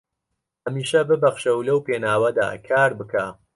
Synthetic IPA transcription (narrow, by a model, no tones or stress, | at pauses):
hɐmiːʃɐbɨbɐχʃɐwlɐwpeːnaːwɐd̪a̰ːkʰaːɾbɨkʰaː